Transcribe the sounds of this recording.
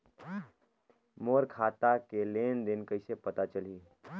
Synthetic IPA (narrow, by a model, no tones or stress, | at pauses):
moɾkʰaːt̪akelend̪enkəɪsepət̪at͡ʃəliː